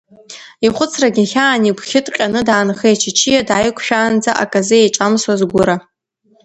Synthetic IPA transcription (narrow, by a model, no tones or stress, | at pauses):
iχʷʊt͡sʰraɡʲɪχʲaːniɡʷχʲɪtʼqʲʼanɨdaːnχejt͡ʃʰɪt͡ʃʰijadajkʷʰʃᶣaːnd͡zaʔa̰kʼazɨejʈ͡ʂʼamswazɡʷʊɾa